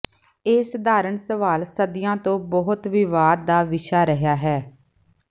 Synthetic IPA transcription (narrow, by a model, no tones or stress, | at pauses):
ɪsd̪aːɾəɳsəʋaːlsəd̪ɪjãːt̪õːbəɦʊt̪ʋɪʋaːd̪d̪aːʋɪʃaːɾəɦjaːɦɛː